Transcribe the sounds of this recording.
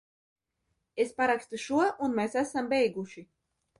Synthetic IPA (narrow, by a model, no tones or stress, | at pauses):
espaɾakst̪uʃuɔʔunmeːsæsambɛjɡuʃi